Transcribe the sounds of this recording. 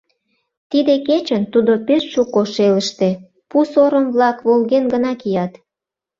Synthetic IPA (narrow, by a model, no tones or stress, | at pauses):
t̪id̪eket͡ɕənt̪ud̪opeʃʃukoʃeləʃt̪e | pusoɾəmβlɑkβolɣenɡənɑkijɑt̪